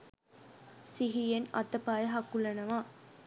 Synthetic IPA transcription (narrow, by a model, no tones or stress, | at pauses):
siɦijenɐ̰t̪ɐpaːjɐɦɐkːulɐnɐʋãː